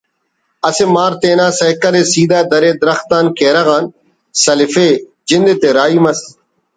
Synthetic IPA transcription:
ɐsemaːɾt̪eːnãːsɐjkɐleːsiːd̪aːd̪ɐɾeːd̪ɐɾɐxt̪aːnkeːɾɐɣaːn | sɐlɪfeː | d͡ʑɪnd̪et̪eːɾaːiːmɐs

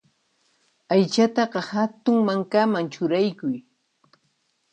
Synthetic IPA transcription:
ajt͡ʃat̪ɑɢɑhat̪ʊŋmaŋkamaŋt͡ʃʊɾajkʊj

